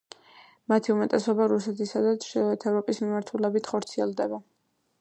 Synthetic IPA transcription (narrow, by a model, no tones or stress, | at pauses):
mat̪ʰiumɛt̪ʼɛsɔbaɾusɛt̪ʰisad̪at̪sʃɛɛt̪ʰɛvɾɔpʼismimaɾt̪ʰulɛbit̪ʰχɔɾt̪sʰiɛlˠd̪ɛba